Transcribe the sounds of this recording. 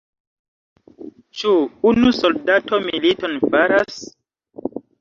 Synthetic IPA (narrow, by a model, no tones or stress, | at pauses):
t͡ʃuunusoldatomilitonfaɾas